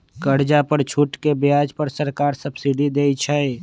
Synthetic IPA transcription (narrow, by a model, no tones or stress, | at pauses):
kəɽd͡ʒapəɾt͡ʃʰuʈkebjaːd͡ʒpəɾsəɾkaːɾsəbsiɖid̪eːit͡ʃʰəe